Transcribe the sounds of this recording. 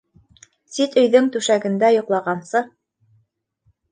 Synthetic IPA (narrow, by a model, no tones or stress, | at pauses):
sit̪ɵ̆jðɵŋt̪ʉʃæɡɘ̆nd̪æjŏqlˠɑʁɑnsɤ